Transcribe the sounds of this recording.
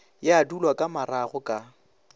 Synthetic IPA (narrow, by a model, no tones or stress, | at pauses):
jɪadulwakʼamaɾaɣʊkʼa